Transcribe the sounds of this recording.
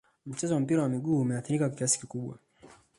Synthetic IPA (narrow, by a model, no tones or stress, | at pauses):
m̩t͡ʃɛzɔwam̩piɾawamiɠuːmɛaθiɾikakakiasi̥kikuɓwa̰